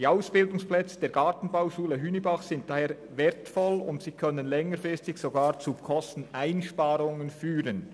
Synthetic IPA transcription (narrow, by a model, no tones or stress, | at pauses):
d̥iːaʊsb̥ɪldʊŋsplɛt͡sə̥d̥eːɐɡ̥aːtn̩baʊʃuːləɦyːnibaχsɪnt̚d̥aːheːɐ | veɐtfɔlʊ̰ntsiːkʰœnənlɛŋəɾfʁɪstɪçsoɡaːʁt͡sukʰɔstn̩aɪnʃpaːʁʊŋənfyːʁən